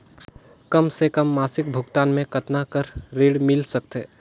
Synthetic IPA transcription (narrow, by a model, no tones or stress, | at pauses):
kəmsekəmːaːsɪk̚bʱʊɡt̪aːnmẽkət̪nakəɾɾeɽmɪlsək̚t̪ɛ